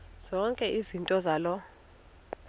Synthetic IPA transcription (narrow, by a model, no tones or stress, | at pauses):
z̥ɔŋkʼɛʔizintʼɔzaːlɔ